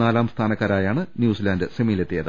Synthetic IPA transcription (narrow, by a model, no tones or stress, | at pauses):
aːlaːmst̪ʰaːnɐkːaːɾaːjaːɳɨnjuːsilaːndɨsemijile̞t̪ːijɐðɨ